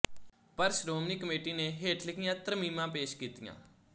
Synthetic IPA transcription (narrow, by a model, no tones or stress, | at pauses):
pəɾsɾoːmniːkəmeːʈiːneːɦeːʈʰlɪkɪjãːt̪ɾəmiːmãːpeːʃkiːt̪ḭjã̰ː